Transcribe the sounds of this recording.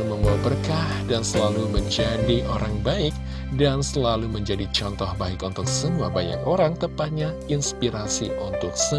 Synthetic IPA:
uməŋbabərkahdansəlaluməɲd͡ʒadiʔoɾaŋbaɪk̚ | dansəlaluməɲd͡ʒadit͡ʃɔnt̪ɔhbaɪkunt̪ʊksəmuabaɲa̰koɾaŋt̪əpat̪̚ɲainspiɾasḭʔunt̪ʊk̚sə

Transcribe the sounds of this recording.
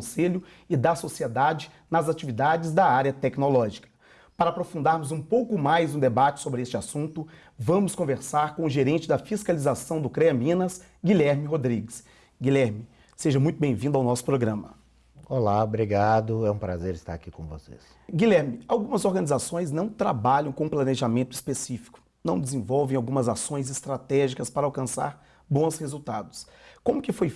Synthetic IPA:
seʎʊ | ɪd̪ɐsosied̪ad͡ʒɪ | nɐzat͡ʃivid̪ad͡ʒɪzd̪ɐaɾjɐt̪ɛknolɔʒikɐ̥ | paɾapɾofũnd̪aɾmʊzũpowkʊmajzũd̪ebat͡ʃɪ̥sobɾɪest͡ʃɪasũnt̪ʊ | vɐ̃mʊskõveɾsaɾkõʊʒeɾẽnt͡ʃɪd̪ɐfiskalizasɐ̃w̃d̪ʊkɾɛɐmĩnɐs | ɡiʎɛɾmɪɦod̪ɾiɡɪs | ɡilɛɾmɪ | seʒɐmũj̃t̪ʊbẽj̃vĩnd̪awnɔsʊ̥pɾoɡɾɐ̃mɐ | olabɾiɡad̪ʊɛũpɾazeɾɪst̪a̰ɾakikõvo̰sḛs | ɡilɛɾmɪawɡũmɐzoɾɡɐ̃nizasõj̃znɐ̃w̃t̪ɾabaʎɐ̃w̃kõũplɐneʒamẽnt̪ʊispesifi̥kʊ̥ | nɐ̃w̃d͡ʒɪzẽvɔwvẽj̃awɡũmɐzasõj̃zɪst̪ɾat̪ɛʒikɐspaɾawkɐ̃sa̰ɾ | bõshezuwt̪ad̪ʊs | kõmʊkɪfoj

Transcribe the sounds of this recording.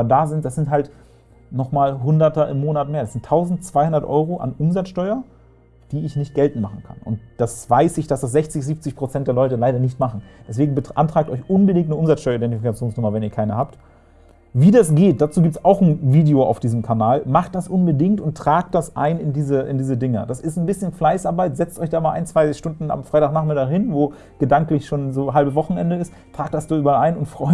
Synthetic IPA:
daːzɪntd̥asz̥ɪnthalt | nɔχmaːlɦʊndɐtɐʔɪ̰mːoːnatmeːɐdasz̥ɪntʰːaʊzn̩tt͡sv̥aɪhʊndɐtʔɔ̰ʏʁoʔa̰nʔʊmzat͡sʃtɔʏɐ | d̥iːɪçnɪçt̚ɡ̥ɛltn̩maχn̩kʰa̰nʔʊ̰nt̚d̥asv̥aɪsɪçd̥asd̥as̬z̥ɛçt͡sɪçziːp̚t͡sɪçpʁ̥ot͡sɛntd̥eːɐlɔʏtəlaɪɾɐnɪçtmaχn̩d̥ɛs̬v̥eːɡŋ̩bəʔa̰ntʁ̥aːk̚tʔɔʏçʔʊnbədɪŋ̚tnəʔʊmzat͡ssʃtɔʏɐidɛntifikat͡sjoːnsnʊmɐvɛniːɐkʰaɪnəhaːpt | viːdas̬ɡ̥eːt̚d̥aːt͡suːɡiːp̚tsaʊxn̩viːdeoʔa̰ʊfd̥iːzmkʰanaːlmaχt̚d̥asʔʊnbədɪŋktʊnttʁ̥aːk̚t̚d̥asʔa̰ɪnɪndiːzəʔɪ̰ndiːzədɪŋəd̥asɪstn̩bɪsçənflaɪsaɐbaɪtz̥ɛt͡stɔ̰ʏçd̥aːmaːlʔaɪnt͡sv̥aɪʃtʊndn̩a̰mfʁ̥aɪtaːxnaːχmɪɐldahɪnvoː | ɡ̥ədaŋklɪçʃoːnzoːɦalbəsvɔχn̩ʔɛ̰ndəɪst | tʁ̥aːk̚t̚d̥asd̥aːyːbɐalʔaɪnʊntfʁ̥ɔʏ

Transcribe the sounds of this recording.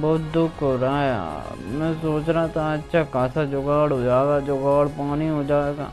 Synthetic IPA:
bɔːt̪̚d̪ʊkʰɦoɾaɦa̰ | mɛ̃ːsoːt͡ʃɾat̪aətːʃʰaːkaːsad͡ʒoɡaːɽɦoːd͡ʒaːɡaːd͡ʒoɡaːɽpaːniɦoːd͡ʒaːeːɡa̰ː

